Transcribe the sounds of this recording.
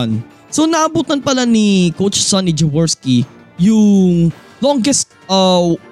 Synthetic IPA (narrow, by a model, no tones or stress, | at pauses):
n | sonɐʔɐbuːt̪ɐnpɐlanikowt͡ʃsɐnːid͡ʒɛwɛɹski | jʊŋ | lɔŋɡɛst̪̚ɐ